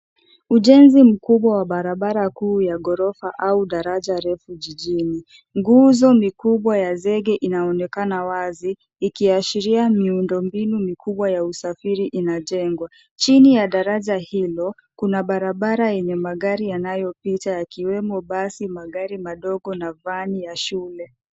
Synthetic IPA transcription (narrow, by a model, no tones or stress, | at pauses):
uʄɛnzim̩kuɓwawaɓaɾaɓaɾakuːjaɡɔɾɔfaʔauɗaɾaʄaɾɛfuʄiʄini | ŋɡuzɔmikuɓwajazɛɠɛʔinaɔnɛkanawaziː | kiaʃiɾiamiundɔmbinumikʰuɓwajausafiɾiʔinaʄɛŋɡwa | t͡ʃinijaɗaɾaʄahilɔ | kunaɓaɾaɓaɾajɛɲɛmaɠaɾijanajɔpitajakiwɛmɔɓasimaɠaɾimaɗɔɡɔnavanijaʃulɛ